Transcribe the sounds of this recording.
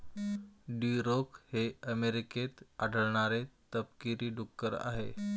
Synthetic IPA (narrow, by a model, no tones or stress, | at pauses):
ɖiɾokheəmeɾiket̪aɖəɭɳ̃aɾet̪əpkiɾiːɖukːəɾa̰ɦḛ